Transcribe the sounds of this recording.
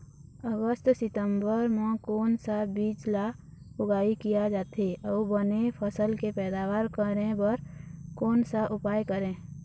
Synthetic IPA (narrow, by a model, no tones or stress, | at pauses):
əɡəst̪sɪt̪əmbəɾmãkoːnsabiːt͡ʃla | ʊɡaːikijad͡ʒaːt̪eɔːbənepʰəsəlkepɛːd̪aːʋaːɾkəɾẽbəɾkoːnsaʔʊpaːjkəɾẽː